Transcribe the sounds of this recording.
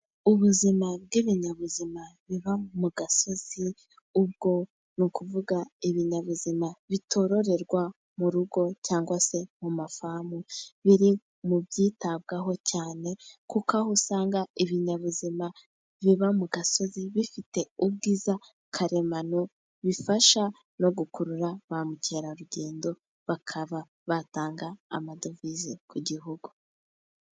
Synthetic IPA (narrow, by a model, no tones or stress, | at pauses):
uβuzimab̚ɡiβiɲaβuzimaβiβamuɡaso̞z̥i | ub̚ɡo̞ | nukuvuɡaiβiɲaβuzimaβitʰo̞ɾo̞ɾe̞ɾɡwa | muɾuɡo̞caːŋɡwase̞mumafamuβiɾi | mubɟiːtab̚ɡaɦo̞caːne̞kukahusaːŋɡaiβiɲaβuzima | βiβamuɡaso̞ziβifite̞ub̚ɡiːza | kʰaɾe̞manu | βifaʃa | no̞ɡukuɾuɾaβamuce̞ːɾaɾuɟe̞ːndo̞ | βakʰaβa | βataːŋɡa̰ːmado̞vizikuɟiɦuɡu